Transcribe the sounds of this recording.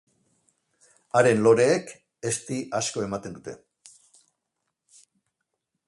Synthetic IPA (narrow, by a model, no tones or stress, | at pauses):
aɾe̞nlo̞ɾe̞ːk | e̞st̪iʔasko̞e̞mat̪e̞nd̪ut̪e̞̰